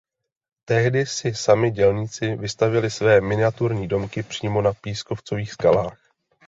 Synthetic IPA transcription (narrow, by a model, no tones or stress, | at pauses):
t̪ɛɦdɪsɪsamɪɟɛlɲit͡sɪvɪst̪avjɛlɪsvɛːmɪnɪat̪uɾɲiːdo̞mkɪpr̝̥iːmo̞napiːsko̞ft͡so̞viːxskalaːx